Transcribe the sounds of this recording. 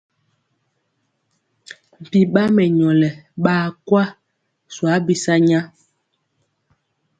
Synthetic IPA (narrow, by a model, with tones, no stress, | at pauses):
m̩˨pi˨ɓa˦mɛ˨ɲɔ˨lɛ˨ɓaː˦˨kwa˦ | swa˨˦bi˨sa˦ɲa˦